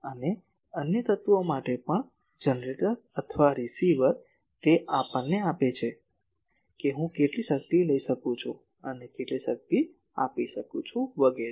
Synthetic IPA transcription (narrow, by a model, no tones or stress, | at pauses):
əne | ənjət̪ət̪uomaʈepəɳ | d͡ʒənɾeʈəɾ | ət̪ʰʋaɾisiʋəɾ | t̪eʔapəɳːeapet͡ʃʰe | keɦũkeʈliʃək̚t̪iləiʃəkũt͡ʃʰũ | ənekeʈliʃək̚t̪i | a̰piʃəkũt͡ʃʰũʋəɡeɾ